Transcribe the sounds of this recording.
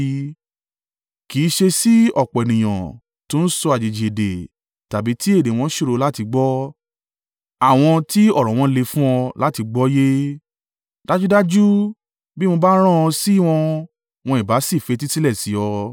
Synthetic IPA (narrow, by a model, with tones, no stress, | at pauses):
ki˨˦ʃe˧si˦ɔ˦˨k͡pɔ˨ɛ˨nĩ˨j̃ã˨ | tũ˨˦n̩˦sɔ˧a˨d͡ʒe˨d͡ʒi˨e˨de˨ | ta˨bi˨˦ti˦e˦˨de˨˦w̃ɔ̃˧˦ʃo˦ɾo˧la˦ti˧ɡ͡bɔ˦ | a˦˨w̃ɔ̃˧ti˦ɔ˦˨ɾɔ̃˨w̃ɔ̃˧le˧fũ˦ɔ̃˧la˦ti˧ɡ͡bɔ˦je˦ | d̥a˦d͡ʒu˦da˦d͡ʒu˦ | bi˦mõ˧ba˦ɾ̃ã˦ɔ̃˧si˦˨w̃ɔ̃˧ | w̃ɔ̃˧i˨ba˨˦si˦˨fe˨˧t̬i˦si˦lɛ˦˨si˨˦ɔ˧